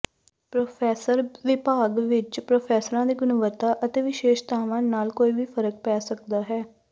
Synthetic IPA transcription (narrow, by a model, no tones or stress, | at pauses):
pɾoːpʰɛːsəɾʋɪpaːɡʋɪt͡ʃpɾoːpʰɛːsəɾãːd̪iːɡʊnəʋət̪ːaːʔət̪eːʋɪʃeːʃt̪aːʋãːnaːlkoːiːʋiːfʰəɾək̚pɛːsəkd̪aːɦɛː